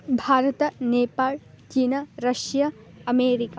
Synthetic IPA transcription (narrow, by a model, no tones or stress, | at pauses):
bʱaːɾɐt̪ɐneːpaːɭ | t͡ʃiːnɐɾɐʃjɐ | ɐmeːɾikaː